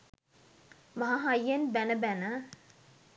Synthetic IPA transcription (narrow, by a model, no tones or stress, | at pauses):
maɦaɦajːenbænəbænə